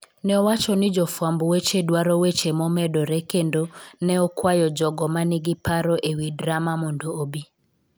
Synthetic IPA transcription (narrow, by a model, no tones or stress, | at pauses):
nɛɔwat͡ʃɔnɪd͡ʒɔfwambɔwet͡ʃedwaɾɔwet͡ʃemɔmɛdɔɾekendonɛɔkwajɔd͡ʒɔɡɔmanɪɡɪpaɾoʔewidɾamamondoːbi